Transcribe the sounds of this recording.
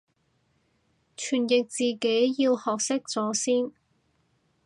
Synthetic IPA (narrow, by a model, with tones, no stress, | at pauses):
t͡ʃʰyː˨˩njɪ˨k̚t͡siː˨ke˨˥jjiː˧whɔː˨k̚sɪ˥k̚t͡sɔː˨˥siː˥n